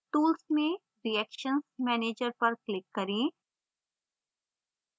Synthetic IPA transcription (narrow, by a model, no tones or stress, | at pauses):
ʈ̪uːlsmẽ | ɾiɛːkʃənsmɛːneːd͡ʒəɾpɐɾklɪkːɐɾẽː